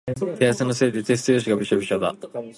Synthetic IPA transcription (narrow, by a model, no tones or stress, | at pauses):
keasɨnose̞ːd̪et͡s̪est͡sɨjoɕiɡabɯɕobiɕod̪a̰